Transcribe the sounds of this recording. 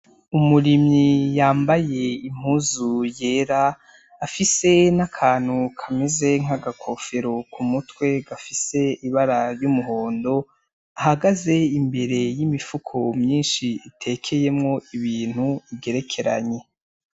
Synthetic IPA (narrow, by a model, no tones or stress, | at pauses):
umuɾimɲijaːmbaje̞im̥huːzuje̞ːɾaː | fise̞nakʰaːn̥hukʰameze̞ŋ̥aɡakʰo̞fe̞ɾokʰumutwe̞ɡafise̞iβaɾaɾjumuɦo̞ːndo̞ | aɦaɡaze̞imbe̞ɾe̞jimifukʰo̞mɲiːnʃiːtʰe̞ːkʰe̞je̞mŋo̞iβiːn̥huibɡe̞ɾe̞kʰe̞ɾa̰ɲe̞